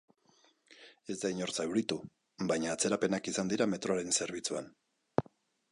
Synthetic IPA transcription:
e̞zd̪aiɲo̞ɾt͡saewɾit̪u | bajɲaːt͡se̞ɾape̞nakisand̪iɾame̞t̪ɾo̞aɾe̞nse̞ɾβ̞it͡suan

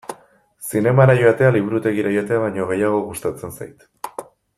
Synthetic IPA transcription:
sine̞maɾajo̞at̪e̞aliβ̞uɾut̪e̞ɣiɾajo̞at̪e̞aβajɲo̞ɣ̞e̞jaɣ̞o̞ɣust̪at͡se̞nsajt̪

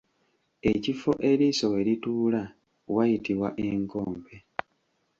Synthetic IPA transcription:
e̞cifo̞ʔe̞ɾiso̞weɾituːla | wajitiβwaʔe̞ŋko̞ːmbe̞

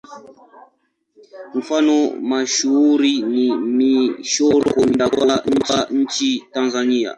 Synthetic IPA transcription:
m̩fanɔmaʃuuɾinimiʃɔɾɔkun̩dakwan̩paɲ̩t͡ʃitanzania̰

